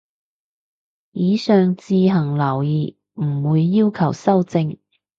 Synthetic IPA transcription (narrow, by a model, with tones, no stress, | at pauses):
jiː˨˧sœː˨ŋt͡siː˧ɦɐ˨˩ŋlɐ˨˩wjiː˨˩ | m̩˨˩wuː˨˧jːiː˥wkʰɐ˨˩wsɐ˥wt͡sɪ˧ŋ